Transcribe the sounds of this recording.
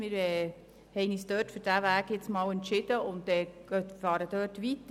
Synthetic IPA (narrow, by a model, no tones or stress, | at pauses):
mɪɾɛː | hɛɪniːsd̥̪øːtfyɾd̥æʋæːɡjɪt͡smɑːwɛntʃɪd̥̪əʊnt̪ɛɡ̥øtfɑːɾəd̥̪øːtʋit̪